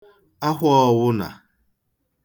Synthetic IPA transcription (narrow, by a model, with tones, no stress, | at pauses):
a˦ɦɔ˦˨wʊ˦na̰˨